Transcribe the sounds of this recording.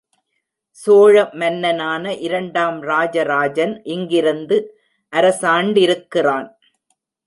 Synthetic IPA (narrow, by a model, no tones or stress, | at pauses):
soːɻɐmɐnːɐnaːnɐʔɪɾɐɳɖaːmɾaːd͡ʒɐɾaːd͡ʒɐnʔɪŋɡɪɾɯnd̪ɯ | ʔɐɾɐsaːɳɖɪɾɯkːɪraːn